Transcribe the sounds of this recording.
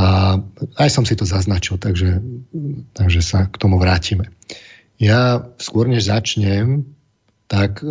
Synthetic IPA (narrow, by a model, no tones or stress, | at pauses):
aajsɔmsit̪ɔzaznat͡ʃilt̪aɡʒɛ | t̪aɡʒɛsakt̪ɔmuʋɾaːcimɛ | jaskʊɔɾɲɛʒzat͡ʃɲɛm | t̪ak